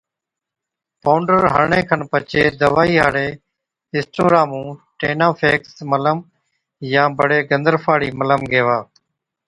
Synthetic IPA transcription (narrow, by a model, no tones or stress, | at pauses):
paːʊɳɖəɾɦə̰ɽɳẽːkʰənpət͡ʃeːd̪əʋaːiːɦaːɽeː | ɪ̃sʈoːɾãːmũːʈeːnãːpʰeːksmələm | jãːbəɽeːɡənd̪əɾfʰaːɽiːmələmɡeːʋaː